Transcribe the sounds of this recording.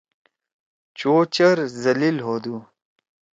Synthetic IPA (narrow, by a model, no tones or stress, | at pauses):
t͡ɕoːt͡ɕɐɾzɐlilɦoːd̪uː